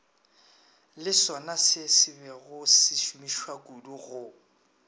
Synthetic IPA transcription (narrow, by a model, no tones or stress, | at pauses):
lɪsɔnasɪsɪbɛɣʊsɪʃumiʃwakuduɣʊ